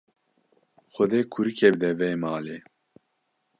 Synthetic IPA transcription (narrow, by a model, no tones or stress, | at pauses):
xɔd̪eːkʰuɾikʰeb̚d̪ɛvɛːmaːleː